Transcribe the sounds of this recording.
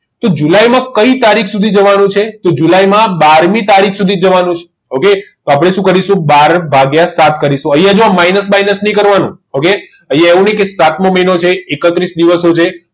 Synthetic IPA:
t̪od͡ʒulajmãkəit̪aɾikʰsud̪ʱid͡ʒəʋanũt͡ʃʰet̪od͡ʒulajmãbaɾmit̪aɾikʰsud̪ʱid͡ʒəʋanũt͡ʃʰe̥ | oket̪oapɽ̃eʃũkəɾiʃũbaɾbʱaɡjasat̪kəɾiʃũəjad͡ʒoamainəsmajnəsnĩkəɾʋanṵ̃ | oke | əjaeʋũnəĩkesat̪mõməinot͡ʃʰeːkət̪ɾisd̪iʋəsot͡ʃʰe

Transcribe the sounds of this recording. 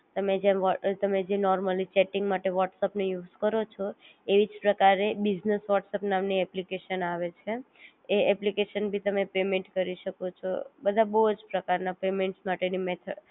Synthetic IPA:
t̪əmed͡ʒeɔt̪əmed͡ʒenɔɾməlit͡ʃɛʈĩŋɡmaʈeʋɔʈsəpnejud͡ʒkəɾot͡ʃʰɔ | eʋid͡ʒpɾəkaɾebid͡ʒnəsʋɔʈsəpnamniɛplikeʃənaʋet͡ʃʰe | eɛplikeʃənbʱit̪əmepemẽɳʈkəɾiʃəkot͡ʃʰɔ̰bəd̪ʱabəɦud͡ʒpɾəkaɾnapemẽɳʈsmaʈenimet̪ʰəɖ

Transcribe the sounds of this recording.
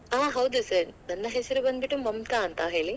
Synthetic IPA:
aːɦɐwd̪usɐɾnɐnːɐɦesɐɾubɐnd̪̚biʈːumɐmt̪aːnt̪ɐɦe̞ːɭi

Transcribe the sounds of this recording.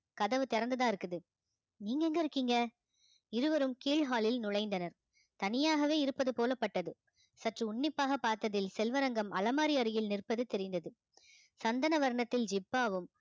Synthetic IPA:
kɐðɐʋɯt̪ɪɾɐnd̪ɐðãːɪɾɯkːɯðɯ | niːŋɡɐɛŋɡɐɪɾɯkːiːŋɡɐ | ɪɾɯʋɐɾɯmkiːɭɦaːlɪlnʊɭɐɪnd̪ɐnɐɾ | t̪ɐnɪjaːɣɐʋeːɪɾɯpːɐðɯpoːlɐpːɐʈːɐðɯ | sɐʈrɯʊɳːɪpːaːɣɐpːaːɾt̪ɐðɪlsɛlʋɐɾɐŋɡɐmɐlɐmaːɾɪjɐɾɯjɪlnɪrpːɐðɯt̪ːɛɾɪnd̪ɐðɯ | sɐnd̪ɐnɐʋɐɾɐɳɐt̪ːɪld͡ʒɪbːaːʋɯm

